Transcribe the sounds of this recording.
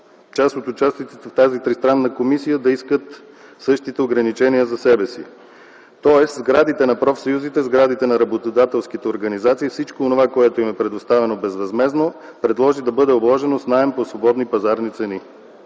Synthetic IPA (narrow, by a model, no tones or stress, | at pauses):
t͡ʃast̪ot̪ʊt͡ʃast̪it̪sit̪ɛft̪azit̪ɾist̪ɾanːəkomisijəd̪ɐiskət̪ | sɤʃt̪it̪ɛoɡɾɐnit͡ʃɛnijəzɐsɛbɛsḭ | t̪ɔɛszɡɾad̪it̪ɛnɐpɾɔfsɐjuzit̪ɛzɡɾad̪it̪ɛnɐɾɐbot̪od̪at̪ɛlˠsk̟it̪ɛoɾɡɐnizat̪siːfsit͡ʃkoːnovakoɛt̪oimɛpɾɛd̪ost̪avɛnobɛzvɐzmɛznopɾɛd̪lˠɔʒid̪ɐbɤd̪ɛoblˠɔʒɛnosnaɛmposvobɔd̪nipɐzaɾnit̪sɛni